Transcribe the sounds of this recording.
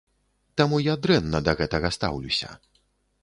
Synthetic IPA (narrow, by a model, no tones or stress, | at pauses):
t̪amujad̪ɾɛnːɐd̪ɐɣɛt̪ɐɣɐst̪a̰wlʲusʲɐ̰